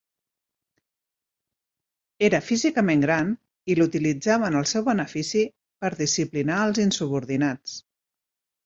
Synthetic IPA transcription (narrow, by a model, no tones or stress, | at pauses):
eɾəfizikəmeŋɡɾan | ilut̪ilid͡zaβənəlˠsɛwβənəfisi | pəɾðisiplinaəlˠzinsuβ̞uɾðinat͡s